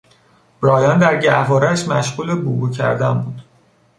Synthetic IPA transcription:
b̥ɾɒːjɒːnd̪æɾɟævɒːɾæʃmæʃɣuːlebubucʰæ̰ɾd̪ænbuːd̪̥

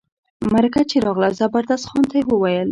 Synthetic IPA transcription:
maɾakat͡ʃeɾɑɣlazabaɾd̪ast̪xɑnt̪awəwajəl

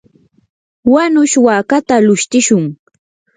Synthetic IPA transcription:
wanʊʃwaːkat̪alʊʃt̪ɪʃʊŋ

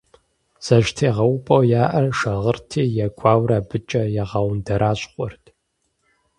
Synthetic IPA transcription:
z̥ɐʒtʰeːʁɐwʊpʼɐwjaːʔɐrʂɐʁərtʰeːjaɡʷʰʼaːwɾaːbɨt͡ʃʼɐjɛʁɐwndɐɾʔaːɕχʷʼʊrtʰʼ

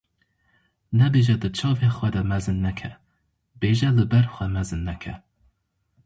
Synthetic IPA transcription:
nɛbeːʒɛd̪ɨt͡ʃʰɑːvexwɛd̪ɛmɛzɨnːɛkʰɛ | b̥eːʒɛlɨbɛɾxʷɛmɛzɨnːɛkʰɛ̰

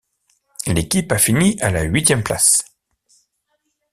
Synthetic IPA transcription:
lekʲipafiniʔalaɥit̪jɛmpla̰s

